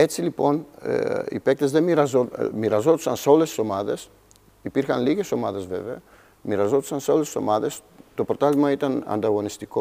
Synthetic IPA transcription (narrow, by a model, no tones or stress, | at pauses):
ɛt͡silipon̰ | ḭpɛk̚t̪ezd̪emiɾazomiɾazot̪usa̰nsolessomaðes | ipiɾxanliɣesomaðezvḛvḛ | miɾazot̪sansolessomaðes | t̪opoɾt̪almait̪ana̰nt̪aɣonist̪iko